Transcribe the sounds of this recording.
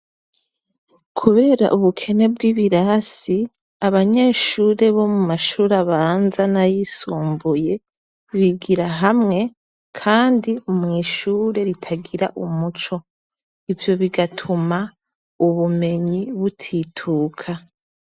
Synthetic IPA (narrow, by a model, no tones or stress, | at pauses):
kʰuβe̞ːɾa̰ʔuβukʰe̞ne̞bɡiːβiɾasi | aβaɲe̞ːʃuːɾe̞βo̞mumaʃuɾaβaːnzanajisuːmbuje̞ | βiɡiɾaɦamŋe̞ | kʰaːndiumŋiːʃuːɾe̞ɾitʰaɡiɾaʔumut͡ʃo̞ | ivjo̞βiɡatʰuma | uβume̞ɲiβutʰitʰuːkʰa